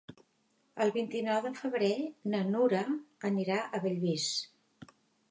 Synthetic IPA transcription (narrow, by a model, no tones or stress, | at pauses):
əlˠβint̪inɔwðəfəβɾenənuɾəəniɾaʔəβəʎβis